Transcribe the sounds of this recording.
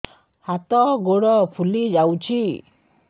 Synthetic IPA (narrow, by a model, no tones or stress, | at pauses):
hat̪ɔɡoɽʌpʰulid͡zawt͡sʰi